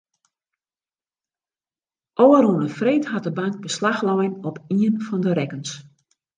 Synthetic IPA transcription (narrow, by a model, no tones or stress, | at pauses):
ʔoːəɾunəfreːtɦat̚dəbaŋk̚bəslaxlɔjənɔpiənfɔndəɾɛkəns